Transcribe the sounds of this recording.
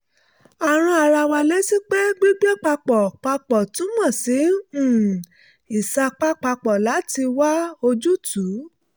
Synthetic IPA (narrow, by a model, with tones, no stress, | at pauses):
a˨ɾ̃ũ˧a˧ɾa˧wa˧le˦si˦k͡pe˦ɡ͡bi˦ɡ͡be˦k͡pa˧k͡pɔ˨k͡pa˧k͡pɔ˨tũ˨˦mɔ̃˦˨sĩ˨˦˨ | i˨sa˧k͡pa˦k͡pa˧k͡pɔ˨la˨˦ti˧wa˦o˧d͡ʒu˦tʰu˨˦